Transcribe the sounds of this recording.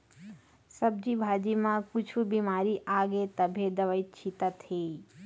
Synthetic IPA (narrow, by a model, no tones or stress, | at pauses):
səb̚d͡ʒibʱaːd͡ʒimãkut͡ʃʰubimaːɾiʔaːɡet̪əbʱed̪əʋəitt͡ʃʰit̪at̪ʰe